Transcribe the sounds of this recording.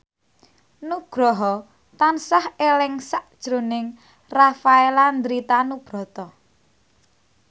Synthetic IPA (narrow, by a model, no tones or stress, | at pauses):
nuɡ̥ɾɔɦɔ | t̪ansahelɪŋsaʔd̥ʒ̥ɾonɪŋ | rafaeland̪ɾit̪anub̥ɾɔ̤t̪ɔ